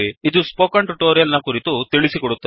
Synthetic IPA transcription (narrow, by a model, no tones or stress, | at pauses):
iid̪uspoːkaɳʈuʈoːɾijɐlnɐkuːɾit̪ut̪iɭisikɔɽut̪ːɐ